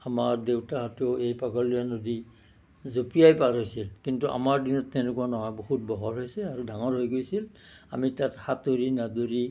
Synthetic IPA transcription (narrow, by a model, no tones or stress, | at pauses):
amaɹdewtaɦateʊejpaɡɔlijanodi | zopijajpaɹɦojsilkintuʔa̰maɹdinɔtːɛnekuanɔɦɔjbohut̚bɔɦɔɹɦojsɛaɹudʱaŋɔɹɦojɡojsil | a̰mitathatoɹinadoɹi